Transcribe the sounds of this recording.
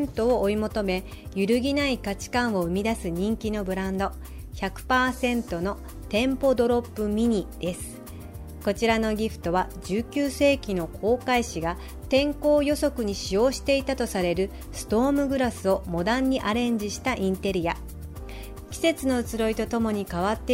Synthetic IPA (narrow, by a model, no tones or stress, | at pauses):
nt̪o̞ːʔːimo̞t̪o̞me̞ | jɯɾɯ̟ɡʲinaikat͡ɕi̥kãɰ̃o̞ɯ̟mʲid̪asɨɲ̟ĩŋkʲino̞bɯ̟ɾãnd̪o̞ | çakɯ̟̥paːsẽ̞nt̪o̞no̞ | t̪ẽ̞mpo̞d̪o̞ɾo̞pːɯ̟mʲiɲ̟id̪̥e̞sɨ̥ | ko̞t͡ɕiɾano̞ɡʲiɸɯ̟̥t̪o̞βad͡ʑɨːkʲɨːse̞ːkʲino̞kʰo̞ːkaiɕiɡa | t̪ẽ̞ŋko̞ːjo̞so̞kɯ̟ɲ̟iɕijo̞ːɕi̥t̪e̞it̪at̪o̞saɾe̞ɾɯ̟ | sɨ̥t̪o̞ːmɯ̟ɡɯ̟ɾasɨo̞mo̞d̪ãɲ̟ːiʔaɾẽ̞ɲ̟d͡ʑiɕi̥t̪aʔĩnt̪e̞ɾʲija̰ | kʲi̥se̞t͡sɨno̞ɯ̟t͡sɨɾo̞it̪o̞t̪o̞mo̞ɲ̟ikaβ̞at̪ːe